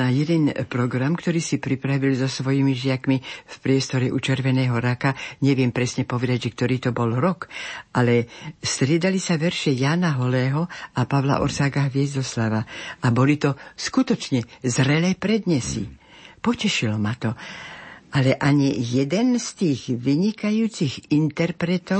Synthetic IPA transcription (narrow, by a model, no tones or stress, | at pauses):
ajɛd̪ɛnpɾɔɡɾamkt̪ɔɾiːsipɾipɾaʋilzɔsʋɔjimiʒɪakmifpɾɪɛst̪ɔɾɛʔut͡ʃɛɾʋɛnɛːɦɔɾakaɲɛʋɪɛmpɾɛsɲɛpɔʋɛd̪aɟʒɛk̚t̪ɔɾiːt̪ɔbɔlɾɔkʔalɛst̪ɾɪɛd̪alisaʋɛɾʃɪɛjaːnaɦɔlɛːɦɔʔapaʋla̰ʔɔ̰ɾsaːɡaɦʋɪɛzd̪ɔslaʋaʔabɔlit̪ɔskut̪ɔt͡ʃɲɛzɾɛlɛːpɾɛd̪ɲɛsḭpɔcɛʃilɔmat̪ɔ | ʔalɛʔaɲijɛd̪ɛnst̪iːɣʋiɲikajuːt͡siɣint̪ɛɾpɾɛt̪ɔ